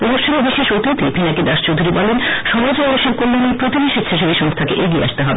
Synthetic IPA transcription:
pɾod̪oɾʃʰonebiʃeʃot̪it̪ipʰinaked̪aʃt͡ɕowd̪ʱuɾibɔlenʃɔmad͡ʑɾɔɾoʃeb̚koɾlenijpɾot̪ibiʃit̪ʃʰeʃobiʃɔŋst̪ʰakeʔeɡiḛa̰ʃt̪eɦɔbe

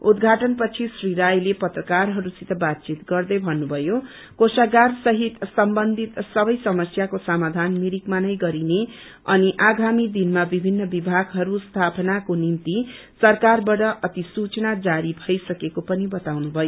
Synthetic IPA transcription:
ud̪ɡʱaʈʌnpʌt͡sʰisriɾajlepʌt̪rʌkarɦʌɾusit̪ʰʌbat̪̚t͡sit̪ɡʌrd̪ʌjbʱʌnːubʱʌjo | kosaɡarsʌɦit̪sʌmbʌnd̪ʱit̪sʌbʌjsʌmʌsjakosʌmad̪ʱanmiɾikmanʌjɡʌɾine | ʌ̰niʔaɡamid̪inmabibʱinːʌbibʱaɡɦʌɾust̪ʰapʌnakonimt̪i | sʌrkarbaʈʌʔʌt̪isut͡sʌnad͡zaɾibʱʌjsʌkekopʌnibʌt̪awnubʱʌjo

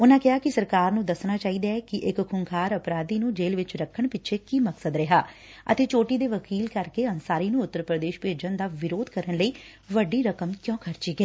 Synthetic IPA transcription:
ʊnãːkɪɦaːkɪsəɾkaːɾnũːd̪əsnaːt͡ʃaːɦiːd̪aːɛːkɪʔɪkkʰʊŋkʰaːɾəpɾaːd̪iːnũːd͡ʒeːlʋɪt͡ʃɾəkʰːəɳpɪt͡ʃʰeːkiːməksəd̪ɾɪɦaː | ə̰t̪eːt͡ʃoːʈiːd̪eːʋəkiːlkəɾkeːənsaːɾiːnũːʊt̪ːəɾpɾəd̪eːʃpeːd͡ʒənd̪aːʋɪɾoːd̪kəɾəɳləiː | ʋəɖiːɾəkəmkjɔ̃ːkʰəɾt͡ʃiːɡəeː

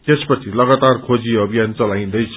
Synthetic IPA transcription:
t̪espʌt͡sʰilʌɡat̪arkʰod͡ziʌbʱijant͡sʌlaj̃d̪ʌjt͡sʰ

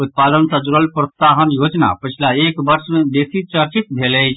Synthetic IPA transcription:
ut̪̚pad̪ənsəd͡ʒuɾəlpɾɔst̪aɦənjod͡ʒna̰pət͡ʃʰlaekbəɾsmed̪esit͡ʃəɾt͡ʃit̪bʱelɛt͡ʃʰ

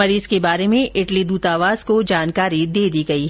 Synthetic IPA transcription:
ɐɾiːzkebaːɾemẽʔɪʈlid̪uːt̪aːʋaːz̥kod͡ʒaːnkaːɾid̪eːd̪iɡɐiɦ

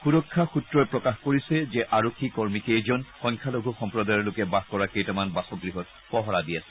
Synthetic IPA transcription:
xuɹɔkʰːaxutɹɔjpɹɔkaxkoɹisɛzɛʔaɹokʰːikɔɹmikezɔnxɔjŋkʰaloɡʱuxɔmpɹɔdajɔɹlʊkɛbaɦkɔɹakejtamanbasɔɡɹiɦɔt̚ | pɔɦɔɹadijasɛ̥

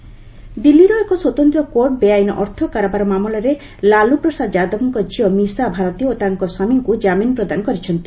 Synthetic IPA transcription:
d̪ilːiɾɔekɔswɔt̪ɔnt̪ɾɔkoʈ̚beajnɔ̰ʔɔɾt̪ʰɔkaɾabaɾɔmamɔlɔɾe | lalupɾɔsad̪d͡ʒad̪ɔbɔŋkɔd͡ʒiɔmisabʱaɾɔt̪ioot̪aŋkɔswamiŋkud͡ʒaminɔpɾɔd̪anɔkɔɾit͡ʃʰɔnt̪i̥

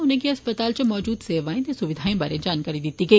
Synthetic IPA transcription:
ʊnẽkiɐspət̪aːlt͡ʃɐmɔːd͡ʒuːd̪seːʋaːĩt̪ẽsʊʋɪd̪ʱaːĩbaːɾed͡ʒaːnkaːɾid̪ɪt̪ike

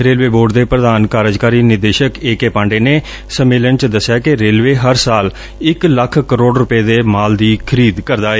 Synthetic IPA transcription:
ɾeːlʋeːboːɖd̪eːpɾəd̪aːnkaːɾəd͡ʒkaːɾiːnɪɾd̪eːʃəkeːkeːpãːɳɖeːneː | səmeːlənt͡ʃd̪əsːjaːkɪɾeːlʋeːɦəɾsaːl | ɪkləkʰkəɾoːɖɾʊpeːd̪eːmaːld̪iːkʰəɾiːd̪kəɾd̪aːeː

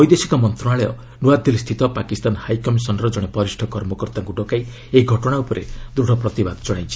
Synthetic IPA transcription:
ɔjd̪esi̥kɔmɔnt̪ɾɔnaɭɔjɔ̰ | nuad̪ʱilst̪ʰit̪ɔpakist̪anhajkɔmisɔnɔɾɔd͡ʒɔɽ̃epɔɾisʈʰɔkɔɾmɔkɔɾt̪aŋkuɖɔkaj | eiɡʱɔʈɔɽ̃aupɔɾḛd̪ɾuɽ̤ʱɔpɾɔt̪ibad̪ɔd͡ʒɔɽ̃aj̃t͡ʃʰi̥

